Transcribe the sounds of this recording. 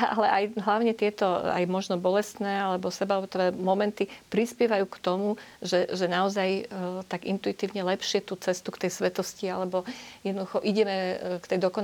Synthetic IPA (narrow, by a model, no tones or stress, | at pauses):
a̰lɛʔajɦlaʊɲɛt̪ɪɛt̪ɔa̰jmɔʒnɔbɔlɛst̪nɛːalɛbɔsɛbalɛbɔt̪ɾɛːmɔmɛnt̪ipɾispɪɛʋajuːkt̪ɔmuʒɛʒɛnaɔzajt̪aɡḭnt̪uit̪iːʊɲɛlɛpʃɪɛt̪uːt͡sɛst̪ukt̪ɛjsʋɛt̪ɔscialɛbɔjɛd̪nɔd̪uxɔʔiɟɛmɛkt̪ɛjd̪ɔkɔn